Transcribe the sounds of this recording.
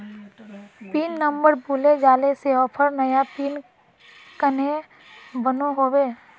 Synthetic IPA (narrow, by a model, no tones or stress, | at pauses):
piːnːə̃mbəɾbuːled͡ʒaːleseɔːpʰəɾnəjapiːn | kəne | bənoɦoːweː